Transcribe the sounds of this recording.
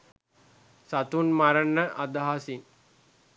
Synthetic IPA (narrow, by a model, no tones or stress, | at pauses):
sat̪unmaɾənːəʔad̪aɦasiŋ